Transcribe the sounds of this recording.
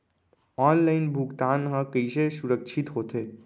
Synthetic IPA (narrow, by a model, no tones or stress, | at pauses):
ɔːnlaːɪnbʱʊɡt̪aːnɦə̃kəisesʊɾəkʃʰɪt̪ɦoːt̪eː